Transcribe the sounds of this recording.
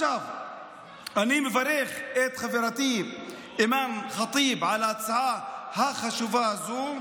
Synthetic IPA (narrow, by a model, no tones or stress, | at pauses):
av | ʔaniːmɪfaɾeːxʔeːt̪xafiɾˤat̪iːb | ʔɪmaːmxɑt̪ˤiːbʕalasaʕahaxaʃuvazuː